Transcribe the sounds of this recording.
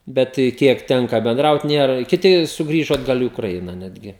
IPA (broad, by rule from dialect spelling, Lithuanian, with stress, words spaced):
ˈbʲɛt ˈkʲiɛk ˈtʲɛŋkɐ bʲɛnˈdrɐʊt ˈnʲeːrɐ kʲɪˈtʲɪ sʊɡˈrʲiːʒoː ɐdˈɡɐlˠ ɪ ʊkrɐɪˈnɐ ˈnʲæːdʲɡʲɪ